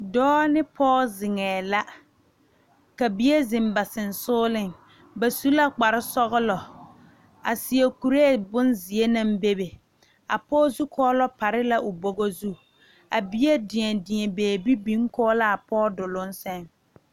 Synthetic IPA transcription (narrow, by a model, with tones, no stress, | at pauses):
dɔː˦nɪ˦pʰɔː˦zɪ˨ŋɛː˨la˦ | ka˨bi˦je˦zɪ˨m˦ba˨sɪ˨n˨sʊː˦lɪ˦ŋ | ba˨su˦la˦k͡pa˨ɾɪ˦sɔ˦ɣʊ˦lɔ˨ | a̰˨sɪ˨e˨ku˨ɾe˦˨bʊ˦nzɪ˨e˦na˦mbe˦be˨ | a̰˨pɔː˦zu˦kʰɔː˦lɔ˦pa˨ɾɪ˦la˦ʔʊ˨bo˦ɡo˦zu˦ | a˨bi˦je˦dɪ˨ɲɛ˨dɪ˨ɛ˨beː˨bi˦bi˦ŋkɔː˦la˦a˨pʰɔː˦dʊ˨lʊ˦n˦sɛ˦ŋ